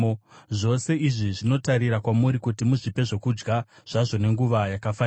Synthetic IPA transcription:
ʐo̞se̞iʐiʐino̞taɾiɾakwamuɾikutimuʐipe̞ʐo̞kud͡ʒɡa | ʐ̥aʐo̞ne̞ŋɡuʋajakafa

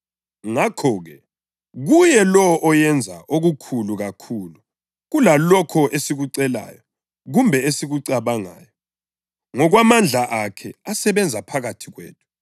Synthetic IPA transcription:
ŋakʰɔːɣɛ | ɣujɛlɔʔɔjɛnd͡zʱa̰ʔoɣukʰuluɣakʰuːlu | ɣulalɔkʰɔʔesiɣuǀɛla̰ːjɔ | ɣumbʱɛesiɣuǀaβaŋa̰ːjɔ | ŋɔɣwamand͡ɮʱaʔakʰɛasɛβɛnd͡zʱapʰaɣatʰiɣwḛːtʰʼu̥

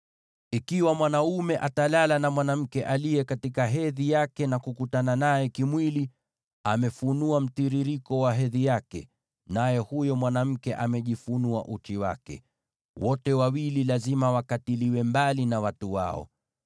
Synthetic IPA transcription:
ikiwamwanaumɛʔatalalanamwanam̩kɛʔalijɛkatikaɦɛðijakɛnakukutananajɛkimwili | amɛfunuam̩tiɾiɾikɔwaɦɛðijakɛ̰ | najɛhujɔmwanam̩kɛʔamɛʄifunua̰ʔut͡ʃiwa̰kɛ̰ | wɔtɛwawililazimawakatiliwɛmbalinawatuwa̰ɔ̰

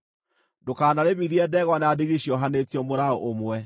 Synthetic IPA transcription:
dokaːnaɾemiðiɛdɛɣwaneadiɣiɕjɔɦanetiɔmoɾaoʔomwɛ

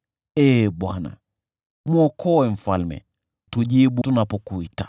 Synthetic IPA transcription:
ɛɓwana̰ | mwɔkʰɔwɛm̩falmɛ̰ | tuʄiɓutunapɔkuitḁ

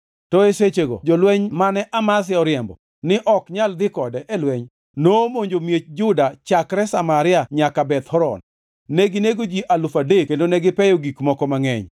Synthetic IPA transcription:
tɔeset͡ʃeɡɔ̰d͡ʒɔlwɛɲmanɛʔamas̬ɪɔɾɪjɛmbɔ̰ | nɪʔɔkɲald̪ɪkɔdɛʔɛlwɛɲ | nomoɲd͡ʒomjet͡ʃd͡ʒʊdat͡ʃakɾɛsamaɾɪaɲakabɛt̪hɔɾɔ̰nː | ɛɡɪneɡod͡ʒiʔalʊfadekendonɛɡɪpɛjoɡikmɔkɔmaŋɛ̰ɲ

